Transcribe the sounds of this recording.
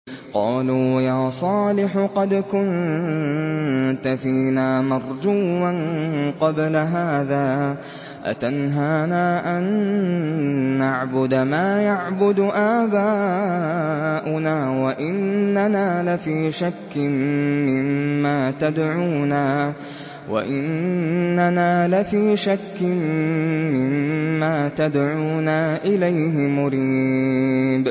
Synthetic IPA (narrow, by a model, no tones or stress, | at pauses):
qɑ̰ːluːjaːsˤɑːlɪħqɑd̪kʊn | t̪afiːnaːmɑɾˤd͡ʒuːmanqɑblaɦaːðaː | ʔa̰t̪anɦaːnaːʔan | aʕbʊd̪maːjaʕbʊd̪ʔaːbaː | ʔʊnaːwaʔɪnːanaːlafiːʃakːɪnmɪmːaːt̪ad̪ʕuːnaː | wa̰ʔɪnnːanaːlafiːʃakːɪnmɪmːaːt̪ad̪ʕuːnaːʔɪlajɦɪmʊɾiː | b